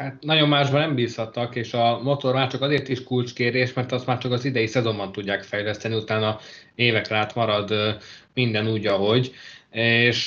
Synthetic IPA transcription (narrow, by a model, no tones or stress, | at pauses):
hat̪nɒɟo̞mːaːʒbɒnɛmbiːshɒt̪ːɒkeːʃɒmo̞t̪o̞rmaːt͡ʃɒkɒzeːrt̪iʃkult͡ʃkeːrd̪eːʃmɛrt̪ɒst̪maːrt͡ʃɒkɒzid̪ɛjisɛzo̞mbɒnt̪uɟːaːkfɛjlɛst̪ɛniut̪aːnɒ | eːvɛklaːt̪mɒɾɒd̪mind̪ɛnuːɟɒɦo̞ɟeːʃ